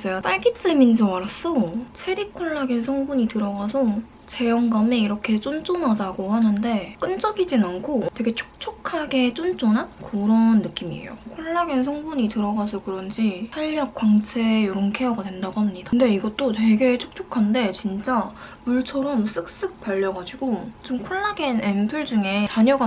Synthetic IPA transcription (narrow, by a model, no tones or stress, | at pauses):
s͈ʰʌjot͈aɭɡit͡ɕ͈emind͡ʑowaɾas͈ʌt͡ɕʰe̞ɾikʰoɭːaɡensʰʌŋbuɲitɯɾʌɡasʰʌ | t͡ɕe̞jʌŋɡameiɾʌkʰe̞t͡ɕ͈ont͡ɕ͈onadaɡohanɯnde̞k͈ɯnt͡ɕ͈ʌɡid͡ʑinankʰotwe̞ɡe̞t͡ɕʰo̥k̚t͡ɕʰokʰaɡe̞t͡ɕ͈ont͡ɕ͈onankoɾʌnːɯk͈imḭḛjo̰kʰoɭːaɡensʰʌŋbuɲitɯɾʌɡas̬ʰʌkɯɾʌnd͡ʑisʰaɭːjʌk̚k͈waŋt͡ɕʰejoɾonkʰejʌɡadwe̞ndaɡoɦamɲidande̞iɡʌt͈̚otwe̞ɡe̞t͡ɕʰo̥k̚t͡ɕʰokʰande̞t͡ɕint͡ɕ͈a | muɭt͡ɕʰʌɾʌms͈ɯk̚s͈ɯk̚p͈aʎːʌɡad͡ʑiɡot͡ɕomkʰoɭːaɡenenpʰɯɭd͡ʑuŋe̞t͡ɕaɲʌɡa